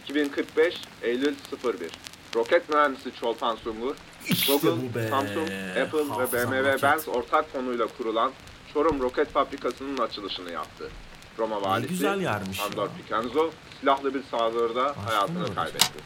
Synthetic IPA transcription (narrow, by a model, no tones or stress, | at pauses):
icʰibinkʰɯɾk̚bɛʃejlʲylʲsɯfɯɾbḭɾ̥ | ɾo̞cɛt̪møvænisit͡ʃʰo̞lˠpʰansuŋɡuɾ | ɡuɡɯlˠsamsuŋkɛpʰɯlˠvɛbemevɛbænzo̞ɾt̪ʰak̚fʰo̞nujlˠakʰuɾulˠan | t͡ʃʰo̞ɾumɾo̞cʰɛt̪fabɾikʰasɯnɯnat͡ʃʰɯlˠɯʃɯnɯja̰p̚t̪ʰɯ̰ | ɾo̞mavaːlʲiziljɾand̪oɾpʰicʰanzosilʲaɦlˠɯbiɾsaːzˠoɾd̪ahajaːt̪ʰɯnɯkʰa̰jbɛ̰t̪ʰːɪ̰